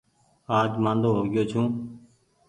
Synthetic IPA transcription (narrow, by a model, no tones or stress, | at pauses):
aːd͡ʒmãːnd̪oːɦoːɡɪjoːt͡ʃʰũː